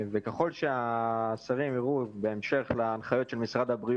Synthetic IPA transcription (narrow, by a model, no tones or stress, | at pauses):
vekeχo̞lʃeasaʁimiʁube̞ːmʃe̞χlaːnχajo̞t̪ʃe̞lmisʁad̪abʁi